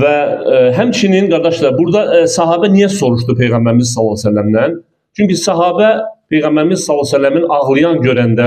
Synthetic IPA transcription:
væɦæmt͡ʃʰininɡɑɾd̪ɑʃlˠɑɾbuɾd̪ɑsɑɦɑːbænijæso̞ɾuʃt̪upʰe̞jɣæmbæɾimizsɑlˠːɑsælːæmd̪æn | t͡ʃʰyɲcisɑɦɑːbæpʰe̞jɣæmbæɾimizsɑlˠːsælːæminɑɣlˠɯjɑnɟøɾænd̪æ

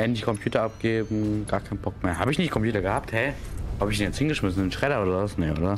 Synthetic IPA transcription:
ɛdndiçkʰɔmpʰjuːtɐap̚ɡ̥eːbm̩ɡ̥aːɐkʰaɪnbɔk̚meːɐhaːbəɪçnɪçtkʰɔmpʰjuːtɐɡəhaːp̚thɛɪhaːbəɪçdinjɛt͡sthɪnɡəʃmɪsn̩ɪnʃʁ̥ɛɾɐoːdɐasnɛːʔo̰ːdɐ

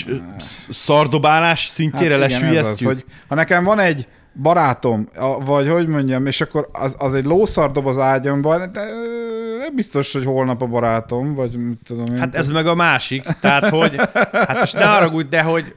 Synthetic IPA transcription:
sɒrd̪o̞baːlaːʃsiɲceːɾɛlɛʃnyjjɛsyho̞ɟhɒnɛkɛɱvɒnɛɟ | bɒɾaːt̪o̞mɒvɒɟho̞ɟmo̞ɲɟɒmeːʃɒkːo̞ɾɒ̰zɒzɛɟloːsɒrd̪o̞bɒzaːɟɒmbɒnt̪ɛnɛmbist̪o̞ʃhocho̞lnɒpɒbɒɾaːt̪o̞mvɒɟmit̪ːud̪o̞meːat̪ɛzmɛɡɒmaːʃikt̪ɛɦat̪ho̞ɟaʃnɛmɦɒɾɒɡut̪̚d̪ɛɦo̞ɟ

